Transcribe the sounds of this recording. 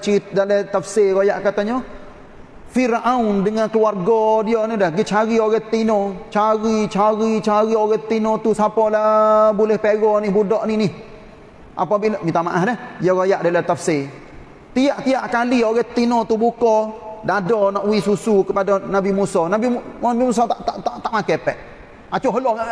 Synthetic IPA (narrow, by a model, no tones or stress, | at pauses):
t͡ʃiɾidalɛt̪afseɣojaʔkat̪aɲɔ | firʔaundəŋankəluarɡɔdiɔnədəhɡət͡ʃaɾioɣɛt̪inɔt͡ʃaɾit͡ʃaɾit͡ʃaɾioɣɛt̪ːinɔt̪usapɔlabulɛhpeɣɔnibudɔʔninɪh | ʔa̰pabiʔʔmit̪amaʔahdəhjɔɣajaʔdalat̪afse | t̪iaʔt̪iaʔkalioɣɛt̪inɔt̪ubukɔdadɔnɔʔuwisusukəpadanabimusɔnabinabimus̬ɔt̪aʔt̪aʔt̪aʔt̪aʔmakɛpɛʔ | at͡ʃuɦəlɔ